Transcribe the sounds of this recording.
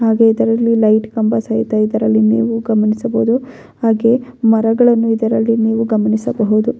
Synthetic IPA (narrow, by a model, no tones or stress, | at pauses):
haːɡe̞id̪ɐɾɐlːilɐjʈkɐmbɐsɐɦit̪ɐid̪ɐɾɐlːinḭːʋuɡɐmɐnisɐboud̪u | haːɡe̞mɐɾɐɡɐɭɐnːuid̪ɐɾɐlːiniːʋuɡɐmɐnisɐbɐɦud̪u